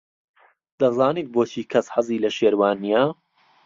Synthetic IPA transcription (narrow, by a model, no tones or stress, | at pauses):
d̪ɐzaːniːt̪̚boːt͡ʃʰiːkʰɐsħɐzˤiːlɐʃeːɾwaːnija